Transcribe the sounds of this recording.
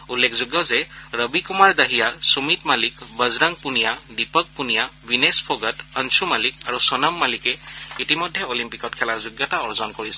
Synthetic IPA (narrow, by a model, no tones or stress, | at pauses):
ulːekʰzuɡjɔzɛɹəbikumaɹdaɦijasumitmalikbəzɹaŋpunijadipək̚punijabinespʰɔɡətənsumalikaɹusɔnamːalikɛitimɔjdʱːɛolimpikɔtkʰɛlaɹzuɡjɔtaɔɹzɔnkoɹisɛ